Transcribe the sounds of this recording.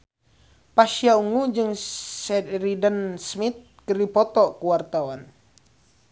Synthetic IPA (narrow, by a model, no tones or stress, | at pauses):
paʃiauŋud͡ʒɨŋsɛɾidənsmit̪̚kəripɔt̪ɔkuwart̪awan